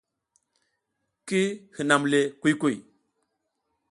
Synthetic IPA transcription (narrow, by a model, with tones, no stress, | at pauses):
ki˦hɨ˨na˨mle˨ku˦jku˦˨j